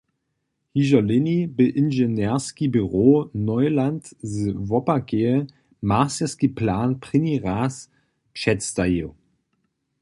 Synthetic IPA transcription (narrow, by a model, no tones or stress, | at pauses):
hiʒɐlɪnibəʔɪnʒenɛɐskibyʁoːnɔʏlantzəvɔpaɡeə | masəskiplaːnpʁ̥ɪniʁaːs | pʃɛtt͡stajo